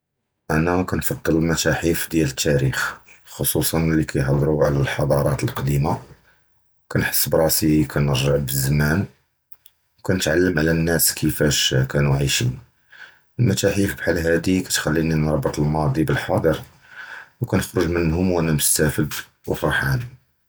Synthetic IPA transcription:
ʔænækænfɑd̪ˤːələlmæt̪æħifd̪jælət̪ʰːæɾixxosˤusˤɑnlikʰæjħɑd̪ˤɾuʕlælħɑd̪ˤɑɾˤɑt̪əlqɑd̪ima | wkænħə̥sːbɾˤɑsikʰænəɾʒəʕbəzːmæn | wkænət̪ʕalːəmʕlænːæskʰəfæʃkænuʕiʃin | əlmæt̪æħifbħalːɦæd̪ikæt̪xælːininɾˤɑbːət̪ˤəlmɑd̪ˤibəlħɑd̪ˤəɾ | wkænəxɾuʒmənhʊmwʔænæmʊst̪æfəd̪ | wəfɑɾˤħani

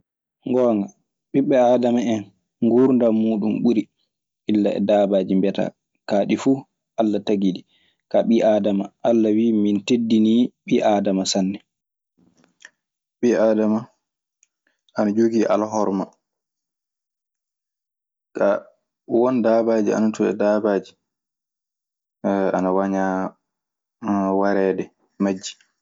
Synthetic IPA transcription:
ŋɡɔːŋɡa | ɓiɓːɛaːdamaɛn | ŋɡuɾndamuːɗumɓuɾi | ʔilːaɛ̰daːbaːd͡ʒimbɛta̰ | kaːɗifu | ʔalːataɡidi | kaɓiʔaːdamaʔalːawiːmintedːiniːɓiʔaːdamasanːɛ | ɓiaːdama | ʔanad͡ʒoɡiʔa̰laɦɔɾma | ka | wɔndabaːd͡ʒia̰natuɗɛ̰dabaːd͡ʒi̥ | anawaɲa | waɾɛːdɛ | mad͡ʒːi̥

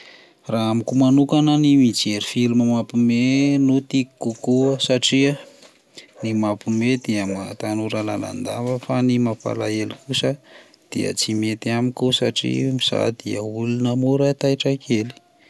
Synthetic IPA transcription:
raamikumanukanənimid͡ʒeɾifiluməmapumenut̪iki̥kːukuəsaʈ͡ʂiə | nimapumed̪iəmat̪anuɾala̰la̰nd̪avəfanimapa̰laelikusə | d̪̥iə̰t͡simet̪iamikusa̰ʈ͡ʂḭmiz̥a̰d̪iəulunəmuɾat̪ajʈ͡ʂakʰeli̥

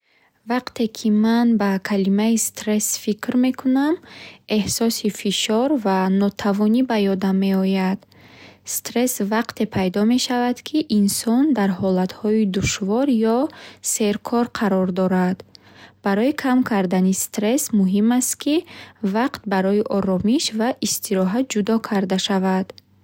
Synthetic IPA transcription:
vaqt̪ʰe̞kʰimanbakʰalimaist̪ɾe̞sfikɾme̞kʰuname̞hsɔsifiʃɔɾvanɔt̪ʰavɔnibajɔd̪amːe̞ɔjad̪̥ | st̪ɾe̞svaqt̪ʰe̞pʰajd̪ɔme̞ʃavad̪̥kʰiʔinsɔnd̪aɾhɔlat̪hɔid̪uʃvɔɾjɔse̞ɾkʰɔɾqʰaɾɔɾd̪ɔɾad̪ | b̥aɾɔikʰamkʰaɾd̪anist̪ɾe̞smuɦimast̪kʰivaqt̪̚baɾɔiʔɔɾɔmiʃvaʔist̪ʰiɾɔɦat̪̚d͡ʒud̪ɔkʰaɾd̪aʃavad̪̥

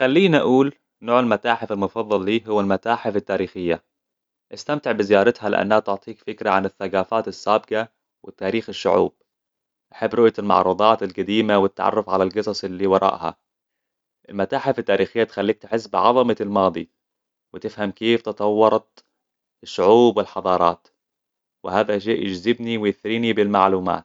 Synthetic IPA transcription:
xalːiːnaʔuːl | noːʕɪlmat̪aːħɪfɪlmʊfɑðˤːɑlːiːɦʊwːalmat̪aːħɪfɪt̪ːaːɾiːxɪjːa | ʔɪst̪amt̪ɪʕbɪzɪjɑːɾˤɪt̪halɪ̰ʔa̰nːhat̪ʊʕt̪ˤiːkfɪkɾaʕanɪθːaɡaːfaːt̪ɪsːaːbɪqa | wɪt̪ːaːɾiːxɪʃːʊʕṵːb̚ | ʔaħabːɾˤʊʔjaɪlmɑ̰ʕɾˤud̪ˤɑːt̪ɪlɡad̪iːmawɪt̪ːa̰ʕɑ̰rˤːʊfʕalalɡɑsˤɑsˤɪlːiːwɑɾˤʔɑ̰ːʔha̰ | ʔɪlmat̪aːħafit̪ːaːɾiːxɪjːat̪xalːiːk̚t̪ħɪs̬ːbʕɑðˤɑmɑlmɑːd̪ˤi | wɪt̪ɪfhamkeːft̪ɨt̪ˤɑwːɑɾˤɑt̪ | ɪʃːʊʕuːbwɪlħɑðˤɑːɾˤɑ̰ːt̪ | wɪhaːðaʃ̬eːʔjɪd͡ʒzɪbniwɪjɪθɾiːnibɪlmaʕluːma̰ːt̪̚

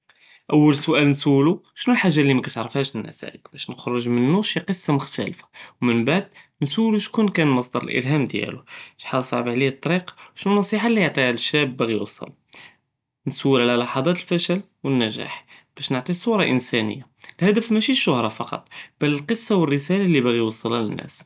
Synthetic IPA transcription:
ʔæwːəlsʊʔælnsuluʃnulħaʒːalːimækæt̪ʕɾəfhæʃnn̰sæ̰ləkbæʃnəxɾˤəʒmənːuʃiqəsˤːɑmʊxt̪æ̰lfḁwmənbaʕd̪nsuluʃkunkænmɑsˤd̪ɑɾˤəlʔə̰lɦæmd̪jæ̰luʃħɑlsˤɑ̰ʕbʕliət̪ˤːɑɾiqɑ̥ʃnunːɑsˤiħalːijʕt̪ˤiləʃːæbːæɣijwɑ̰sˤːɑ̰l | nsuwːəlʕlælɑħɑd̪ˤɑt̪əlfæʃəl | wənːæʒæ̰ħb̥æʃnəʕt̪ˤisˤuɾˤɑʔənsænə̰jːalhæd̪əæfmæʃiʃːʊhɾˤɑfɑqɑ̰t̪ˤb̥ælːəlqəsːɑwərːəsælalːibæɣiwɑsˤːɑlalənːʔæ̰s

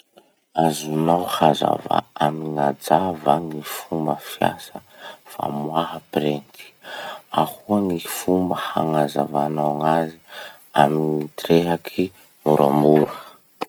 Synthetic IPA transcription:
azunawhaza̰va̰amiŋad͡zavaŋifumbəfja̰səfa̰mwaɦəprent̪i̥ahuaŋifumbəhaŋazavanawŋazi | aminit̪reɦakʰi | muɾa̰muɾə

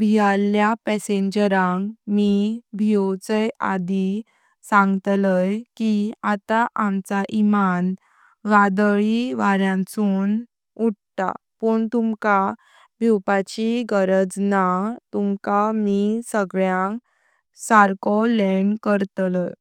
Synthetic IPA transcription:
bʱialjapɛseɲd͡ʑəɾãŋkmibʱiɔwt͡səja̰d̪i | sãŋɡt̪ləjkiat̪aʔamt͡saʔiman | ʋad̪ɭiʋaɾjãnt͡sun | uʈ̚t̪a̰ | pəɳt̪umka | bʱiwpat͡ɕiɡəɾəd͡znat̪umkamisəɡɭjãŋk | saɾkɔlɛɳkəɾt̪ləj

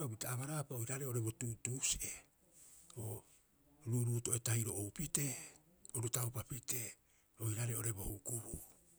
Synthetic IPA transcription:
obitaːβaɾapaojɾaɾe̞o̞ɾe̞bo̞tutuse | o | ɾuɾuːto̞etaiɾo̞owpite̞ | oɾutawpapite̞ | o̞jɾaɾeo̞ɾe̞bo̞hukuɾu

